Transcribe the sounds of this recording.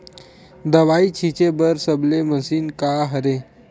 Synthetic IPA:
d̪əʋait͡ɕʰit͡ɕebəɾsəbleməsiːnkaɦəɾe

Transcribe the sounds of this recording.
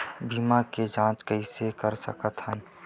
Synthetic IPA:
biːmaked͡ʒãːt͡ʃkəɪsekəɾsə̰kət̪ɦə̃

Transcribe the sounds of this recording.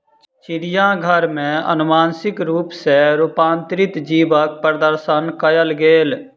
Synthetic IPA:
t͡ʃt͡ʃɪɾɪjãɡʱəɾmẽə̰nʊmaːnsɪkɾuːpseɾuːpãːnt̪ɾɪt̪d͡ʒiːbək̚pɾəd̪əɾʃənkəjəlɡeːl

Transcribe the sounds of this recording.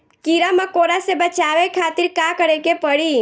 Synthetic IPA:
kiɾamãkoɾasebət͡ʃaʋekʰat̪iɾkakəɾekepəɽi

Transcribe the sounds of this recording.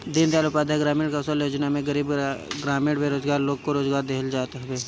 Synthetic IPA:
d̪ɪnd̪aːlopaːd̪ʱaɡɾaːmɪ̃ɽkasəljoːd͡ʒnamẽɡɐɾiːbɡɾaːmẽɽɖʋeɾoːzɡaːɾloːɡ̚koɾoːzɡaːɾd̪eɦəld͡ʒaːt̪ɦbeː

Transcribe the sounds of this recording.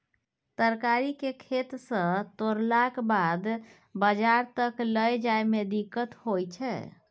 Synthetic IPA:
t̪əɾkaɾikekʰet̪sə̃t̪oɾlakbad̪ | bəd͡ʒaɾt̪əkləjd͡ʒajmed̪ikːət̪hojt͡ʃʰɛ̰

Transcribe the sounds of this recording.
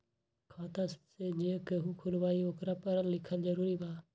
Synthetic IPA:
kʰaːt̪aːssed͡ʒiə̃keɦukʰʊlʋaːioːkɾaːpəɾəllɪkʰəld͡ʒəɾuːɾibaː

